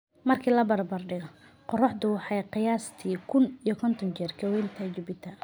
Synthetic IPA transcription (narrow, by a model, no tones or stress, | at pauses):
mɐrkʰiːlɐbɐrbɐrɖɪɣɔ | qɔrɔħd̪ʊwɑħɑjqɪjaːst̪ʰiːkʰʊnijɔkʰɔnt̪ʰɔnt͡ʃɛːrkʰɐwɛnt̪ʰɐt͡ʃɪbɪt̪ʰɐ